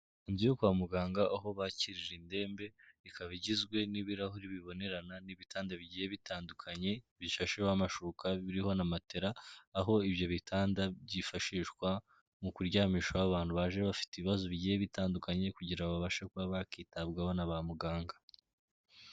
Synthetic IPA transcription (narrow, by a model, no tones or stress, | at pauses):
inzijokuβamuɡaːŋɡaʔaɦo̞βaciɾiɾende̞ːmbe̞ikaβiɟizɡwe̞niβiɾaɦuɾiβiβo̞ne̞ɾananiβitaːndaβiɟiːjeβitʰaːndukʰaɲe̞βiʃaʃeβamaʃuukʰaβiɾiho̞namate̞ɾaːɦo̞iβjo̞βitʰaːndaβɟifaʃiːʃkwa | mukuɾɟaːmiːʃaaβaːn̥huβaʒeβafi̥tiβiβazoβiɟijeβitaːndukaɲe̞kuɟiɾaoβaβaʃakuβaβakiːtabɡaβonaβamuɡaːŋɡa